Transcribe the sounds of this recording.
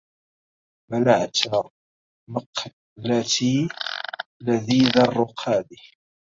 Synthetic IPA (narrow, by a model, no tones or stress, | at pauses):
malaʕat̪a | maq | lat̪i | laðiːðɑrˤːʊqʰaːd̪i